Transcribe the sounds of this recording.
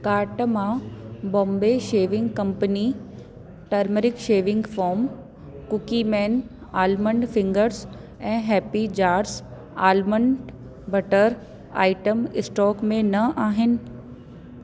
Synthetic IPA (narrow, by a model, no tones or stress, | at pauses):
kaːɾʈmãbɔ̃ːmbeʃeːʋɪ̃ŋɡkɐ̃mpəni | ʈɐɾməɾɪkʃeːʋɪ̃ŋɡfɔːɾm | kʊkimɛːn | aːlmə̃ɳɖfɪ̃ŋɡəɾs | ɛ̃ːɦɛːpid͡ʑaːɾs | aːlmə̃ɳɖ | bɐʈəɾ | a̰ːɪʈəmɪsʈɔːkmẽnɐʔaːɦɪnɪ̆